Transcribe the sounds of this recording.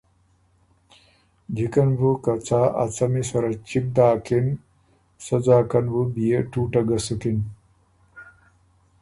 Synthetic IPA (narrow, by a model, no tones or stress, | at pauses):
d͡ʑʱikɐnbʱukɐt͡sʰaːʔɐ̰t͡sʰɐmisɐɾɐt͡ɕik̚d̪aːkʰin | sɐd͡zaːkɐnbubijeʈʰuːʈɐɡɐsukin